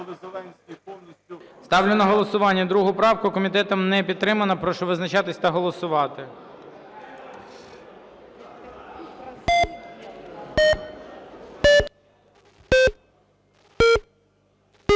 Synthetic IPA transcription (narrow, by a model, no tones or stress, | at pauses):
st̪ɑwlʲʊnɐɦɔlˠɔsʊʋɑnʲːɐd̪ɾuɦʊpɾɑwkʊkɔmʲit̪ɛt̪ɐmnɛpʲid̪t̪ːɾɪmɐnɐpɾɔʃɔʋɪznɐt͡ʃɑt̪ɪsʲt̪ɐɦɔlˠɔsʊʋɑt̪ɪ